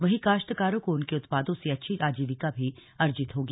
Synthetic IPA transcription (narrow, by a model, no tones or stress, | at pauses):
ʋɐɦikaːʃʈ̪əkaːɾõkoʊnkeʊt̪paːd̪õseɐtːʃʰiɾʔaːd͡ʒiːʋɪkabʱiɐɾd͡ʒɪt̪ɦoːɡ